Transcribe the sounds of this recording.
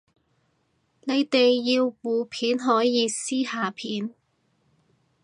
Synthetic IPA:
ne˨˧jt̪e˨jːiː˧wwuː˨pʰiː˨˥nɦɔː˨˥jjiː˨˧siː˥haː˨˧pʰiː˨˥n

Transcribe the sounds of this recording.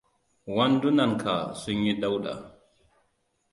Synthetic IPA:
wandu˦na˨nkʰa̰˨su˦ɲːi˦da˦wɗa̰

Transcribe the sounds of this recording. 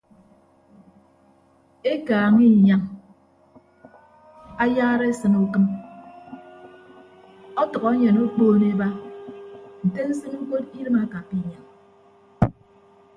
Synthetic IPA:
e˦kaː˨ŋi˦˨ɲa˨ŋ | a˦jaː˦ɾe˦e˦sɨ˨nu˨kɨ˦n | ɔ˦tɔ˨ɣɔ˨˦e˦ɲe˨no˦k͡poː˦ne˦ba˦ | n̩˨te˦n̩˦sɨ˦nu˦ko˦ti˦ɾɨ˦ma˦ka˨pi˨˦˨ɲa˨ŋ

